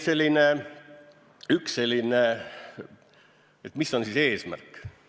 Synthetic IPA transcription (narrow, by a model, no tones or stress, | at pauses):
se̞lʲːine | yksse̞lʲːine | et̪misːo̞nsise̞ːsmæ̰rkːˑ